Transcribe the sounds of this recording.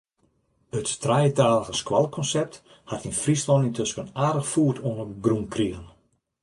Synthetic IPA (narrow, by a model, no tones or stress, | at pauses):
ətːrajətaːləɣəskwɔlˠkʰɔnsɛp̚t | hatinfrislɔntintʰøskənaːdəxfuːətʰoənəɡrunkʰriəɣən